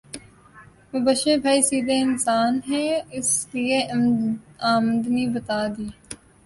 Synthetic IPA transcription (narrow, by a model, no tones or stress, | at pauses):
mɐbəʃebʱaːisiːd̪ʱeɪnsaːnɦɛ̃ɪslie | aːmd̪nibət̪aːd̪iː